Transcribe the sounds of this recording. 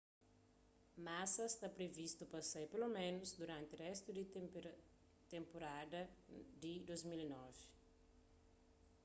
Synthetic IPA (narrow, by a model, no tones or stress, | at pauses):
masɐst̪apɾevist̪upɐsejpelomẽnʊzd̪uɾãnt̪ɪrɛst̪ud̪i | t̪ẽmpoɾad̪ɐd̪id̪ozmilinɔvɪ